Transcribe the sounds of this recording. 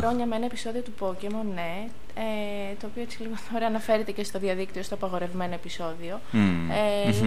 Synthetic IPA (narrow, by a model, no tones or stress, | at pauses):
ɾo̞ɲɐmeenɐepiso̞ðio̞t̪upo̞ce̞mo̞ne̞ | e | t̪o̞ːpio̞et͡siliɣooɾeɐnɐfe̞ɾet̪e̞ce̞st̪o̞ðiɐðikt̪io̞st̪o̞ɐpɐɣo̞ɾe̞vme̞no̞episo̞ðio̞ | e